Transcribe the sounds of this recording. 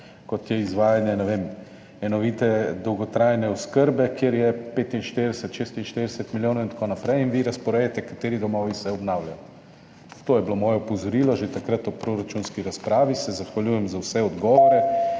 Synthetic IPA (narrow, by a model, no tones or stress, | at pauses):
kɔt̪jɛizʋaːjanjɛnɛʋem | ɛnɔʋiːt̪ɛd̪ɔwɡɔt̪ɾajnɛɔskəɾbɛkjeɾjɛpeːt̪inʃt̪eɾd̪ɛsət̪ʃest̪inʃt̪eɾd̪ɛsət̪miljoːnowint̪ḁkonapɾɛjinʋiɾɐspɔɾɛjɛt̪ɛkat̪eːɾid̪ɔmɔːʋisɛɔbnawljaj | t̪oːjɛblomɔːjapozɔɾiːlɔʒet̪akɾat̪ɔpɾoɾat͡ʃunskiɾaspɾaːʋisɛzaxʋaljuːjɛmzawsɛɔd̪ɡɔːʋɔɾɛ